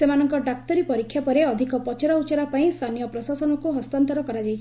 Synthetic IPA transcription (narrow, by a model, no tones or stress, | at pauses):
semanɔŋkɔɖak̚t̪ɔɾipɔɾikʰjapɔɾeɔd̪ʱikɔpɔt͡ʃɔɾaut͡ʃaɾapaĩst̪ʰanijɔpɾɔsasɔnɔkuɦɔst̪ant̪ɔɾɔkɔɾad͡ʒajt͡ʃʰi